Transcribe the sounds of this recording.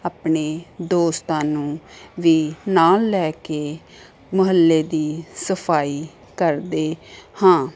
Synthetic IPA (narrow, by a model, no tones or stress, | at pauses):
aːpɳeːd̪oːst̪ãːnũːʋiːnaːlːɛːkeː | məɦəlːeːd̪iːsəpʰaːiː | kəɾd̪eːhãː